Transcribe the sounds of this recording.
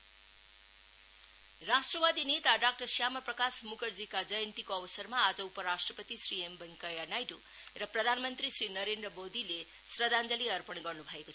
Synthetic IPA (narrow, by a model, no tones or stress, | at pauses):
rasʈrʌʋad̪inet̪aɖak̚ʈʌrsjamʌprʌkasmukʌrd͡zikad͡zʌjʌnt̪ikoʌʋʌsʌɾmaːd͡zʌupʌɾaʂʈrʌpʌt̪isɾiembʌŋkʌjanajɖu | rʌprʌd̪ʱanmʌnt̪ɾisrinʌɾend̪rʌmod̪ʱile | srʌd̪ʱand͡zʌliʌrpʌɳɡʌrnubʱʌekot͡sʰʌ